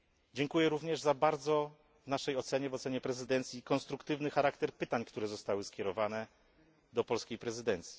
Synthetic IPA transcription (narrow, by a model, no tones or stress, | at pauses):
d͡ʑɛŋkujɛɾuvɲɛʐzabaɾd̪zɔ | vnaʂɛjɔt̪sɛɲɛvɔt̪sɛɲɛpɾɛzɘd̪ɛnt̪sʲjikɔnst̪ɾukt̪ɘvnɘxaɾakt̪ɛɾpɘt̪aɲkt̪uɾɛzɔst̪awɘskʲjɛɾɔvanɛ | d̪ɔpɔlskʲejpɾɛzɘd̪ɛnt̪sʲji̥